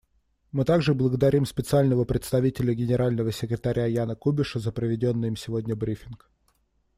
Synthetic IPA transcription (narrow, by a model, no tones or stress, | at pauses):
mɨt̪aɡʐɨblˠəɡəd̪ɐɾʲimspʲɪt̪sɨalʲnəvəpɾʲɪt̪st̪ɐvʲitʲɪlʲəɡʲɪnʲɪɾalʲnəvəsʲɪkɾʲɪt̪ɐɾʲajanəkubʲɪʂəzəpɾəvʲɪdʲo̞nːɨjɪmsʲɪvodʲnʲəbɾʲifʲɪnk